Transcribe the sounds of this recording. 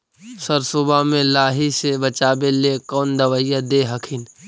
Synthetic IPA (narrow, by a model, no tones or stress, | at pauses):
səɾsʊbamẽlaːɦisebət͡ʃaːbelekɔːnd̪əʋəjad̪eːɦəkʰɪn